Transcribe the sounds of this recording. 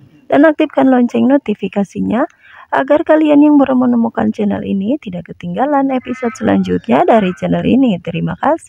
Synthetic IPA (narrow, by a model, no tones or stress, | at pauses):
danak̚t̪ifkanlɔɲt͡ʃɛŋnɔt̪ifikasiɲa | ʔa̰ɡarkalianjaŋbəɾəmənəmuka̰nt͡ʃɛnə̰lḭnit̪idaʔkət̪iŋɡalanɛpisɔd̪̚səla̰ɲd͡ʒut̪̚ɲadaɾit͡ʃɛnəlḭnit̪əɾimakasi̥h